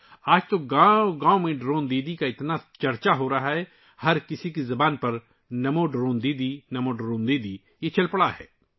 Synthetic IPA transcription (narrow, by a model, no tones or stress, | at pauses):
aːd͡ʒt̪oɡãːɡãːomẽɖɾõːnd̪eːd̪ikaɪt̪nat͡ʃɐɾt͡ʃaɦoɾɐɦaɦɛ | hɐɾkɪsikizɐbaːnpɐɾ | nɐmoɖɾoːnd̪eːd̪inɐmoɖɾoːnd̪eːd̪i | jet͡ʃɐlpɐɽaɦɛ̰ː